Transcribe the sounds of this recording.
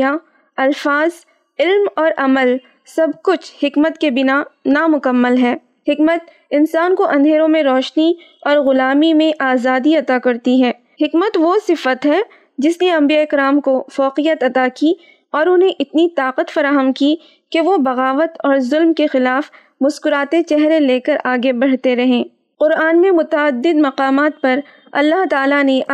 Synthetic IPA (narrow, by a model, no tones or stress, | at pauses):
a | ɐlfaːz | ɪlmɔːɾʔɐməl | sɐbkʊt͡ʃʰhɪkmət̪kebɪnanamʊkəmːəlɦɛː | hɪkmət̪ | ɪnsaːnkoʔɐ̃nd̪ʱeːɾõmẽɾɔːʃni | ɔːɾɣʊlaːmimẽʔaːzaːd̪iɐt̪akɐɾt̪iɦɛː | hɪkmət̪ʋosɪfət̪ɦɛ | d͡ʒɪsneɐ̃mbijaɪkɾaːmkofɔːqijət̪ɐt̪aki | ɔːɾʊnɦẽʔɪt̪nit̪aːqət̪fɐɾaːɦəmki | keʋobɐɣaːʋət̪ɔːɾzʊlmkexɪlaːf | mʊskʊɾaːt̪et͡ʃɛɦɾeleːkɐɾʔaːɡebɐɽ̤t̪eɾɐɦẽː | qʊɾaːnmẽmʊt̪əəd̪ːɪd̪mɐqaːmaːt̪̚pɐɾ | ɐ̰lːaɦt̪aːlane